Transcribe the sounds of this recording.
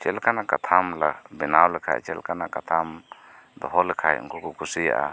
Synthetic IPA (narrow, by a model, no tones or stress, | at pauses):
t͡ʃɛlkanakat̪ʰamlabɛnawlɛkʰa̰ɛ̰t͡ʃɛ̰lkanakat̪ʰam | d̪ɔɦɔlɛkʰaj̰ṵŋkukukusija̰ʔa̰